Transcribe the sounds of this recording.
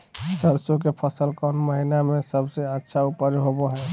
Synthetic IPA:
səɾsok̬epʰəsəlkɔnməɦinamesəbseətːʃʰaupəɾjɦoboɦɛ

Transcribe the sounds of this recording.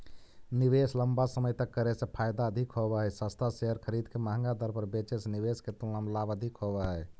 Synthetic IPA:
nibesləmbasəməjt̪əkːəɾɛsẽpʰajd̪aəd̪ʱikɦobɛɦɛsəst̪ʰaseɦəɾkʰəɾid̪keməɦə̃ŋɡad̪ʱəɾpəɾbet͡ʃesniβesket̪uləmlabəd̪ʱikɦobɛɦɛ

